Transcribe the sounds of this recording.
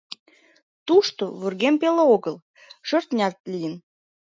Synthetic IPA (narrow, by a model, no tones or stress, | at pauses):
t̪uʃt̪oβurɣempeleoɣəl | ʃørt̪nʲɑrt̪lʲijən